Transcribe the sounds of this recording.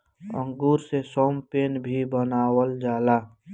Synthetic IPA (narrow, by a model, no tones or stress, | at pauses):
ə̰̃ŋɡuːɾsesoːmpeːnbʱibənaːwəld͡ʒaːlaː